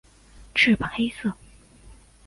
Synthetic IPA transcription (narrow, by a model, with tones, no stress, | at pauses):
ʈ͡ʂʰy˥˩pa˨˩xe˥ɪsɤ˥˩